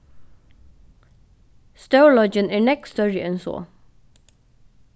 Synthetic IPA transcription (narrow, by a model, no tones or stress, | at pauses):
st̪əʊlɔd͡ʒənæːnɛkst̪ɔɹɪʔɛnso̰ː